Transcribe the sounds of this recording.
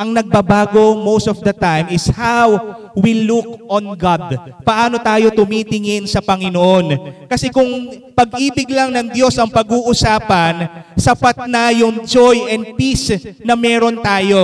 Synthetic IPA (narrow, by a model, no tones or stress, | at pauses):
ʔɐŋnɐɡ̚bɐbaːɡo̞mowst̪ofd̪ɐt̪ajmɪshaw | wilukonɡad̪pɐʔaːno̞t̪aːjot̪ʊmit̪ɪŋɪnsɐpɐŋɪnoʔo̞nkɐsɛkʊŋpɐɡʔiːbɪɡlɐŋnɐŋd̪jo̞sʔɐŋpɐɡuːʔʊsaːpɐnsɐpat̪̚nɐjʊŋd͡ʒojʔɛnd̪̚pisnɐmɛːɾo̞nt̪aːjo̞